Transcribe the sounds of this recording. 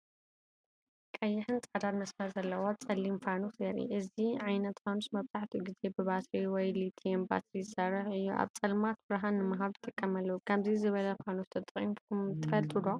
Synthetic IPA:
kʼɐjːɪħɨnt͡sʼɐd̪ad̪mɐsmɐɾzɐlːɐwot͡sʼɐlːimfanusɐɾḭʔɨziʕajnɐt̪famsmɐβzaħt̪ʰiɡize̞bɨβat̪ɾiwɔjlit̪ʰiemba̰t̪ɾizɨsaɾɨɾɨjːuʔa̰βt͡sʼɐlmat̪bɨɾɦanːɨmaɦaβɨt̪ʼɨkʼːɐmalːɐwukʰaβzizɨβɐlɐfanust̪ʰɐt̪ʼɐχʼḭmt̪ʰɨfɐlt̪ʼɨlo

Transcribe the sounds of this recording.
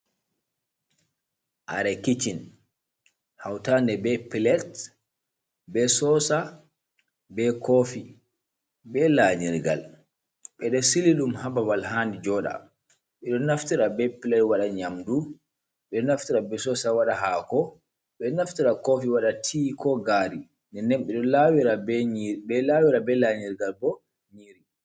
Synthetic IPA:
ʔaɾɛkit͡ʃin | hawtandɛbɛpilɛt | bɛsɔsa | bɛkʰofi | bɛlaɲiɾɡa̰l | ɓɛɗɔsiliɗumhabawalɦandid͡ʒɔɗa̰ | ɓɛɗɔnaftiɾabɛpilaɾwaɗaɲamdu | ɓɛɗɔnaftiɾabɛsɔsawaɗaɦaːkɔ | ɓɛɗɔnaftiɾakofiwaɗatʰiːkɔɡaɾi | nɛnɛmɓɛɗɔlawiɾabbɛlawiɾabɛlaɲiɾɡalbɔ | ɲiɾi

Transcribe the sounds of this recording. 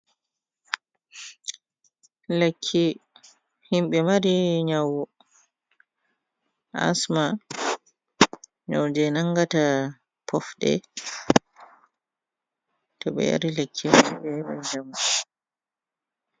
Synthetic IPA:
lekʰːi | himɓɛmaɾiɲawɔ | a̰sma | ɲawd͡ʒɛnaŋɡata | pʰɔfɗɛ̰ | tɔɓɛ̰ja̰ɾilekʰːimaɾbɛɓɛ̰d͡ʒamː

